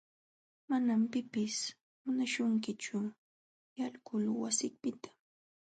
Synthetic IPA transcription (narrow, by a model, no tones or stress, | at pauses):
manampɪpɪs | mʊnaʃʊŋkɪt͡ʃʊ | jalkʊlwasɪpɪt̪ḁ